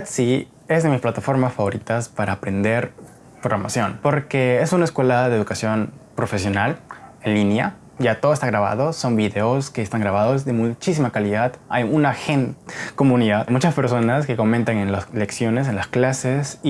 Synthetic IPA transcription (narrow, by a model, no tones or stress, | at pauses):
at̪si | ezðe̞misplat̪afo̞ɾmasfaβo̞ɾit̪aspaɾaːpɾe̞nd̪e̞ɾ | pɾoɣɾama̰sjo̞npo̞ɾkeesunaeskwe̞laðeðukasjo̞npɾo̞fe̞sjo̞nalenlinja̰ | ʝat̪oðest̪aɣɾaβa̰ð̞o̞so̞mbiðeoske̞ːst̪aŋɡɾaβaðozðe̞mut͡ʃis̬imakaliðaða̰junaxenko̞mũniðaðmut͡ʃaspe̞ɾso̞naske̞ko̞mẽnt̪aŋenlasle̞ksjo̞nes̬enlasklasesi